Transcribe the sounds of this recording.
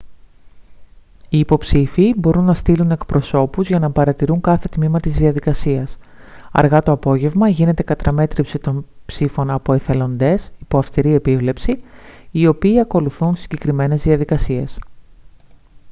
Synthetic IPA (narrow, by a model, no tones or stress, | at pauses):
iːpo̞psifiːbo̞ɾunːɐst̪ilune̞kpɾo̞so̞puzʝɐnɐpɐɾɐt̪iɾuŋkɐθe̞t̪mimɐt̪izðiɐðikɐsiɐs | ɐ̰ɾɣɐt̪o̞ɐpo̞ʝe̞vmɐʝine̞t̪ekɐt̪ɾɐme̞t̪ɾipsit̪o̞npsifo̞nɐpo̞eθe̞lo̞nd̪e̞sipo̞ɐfst̪iɾie̞pivle̞psiː | o̞piːɐko̞luθunsiɲɟe̞kɾime̞ne̞zðiɐðikɐsie̞s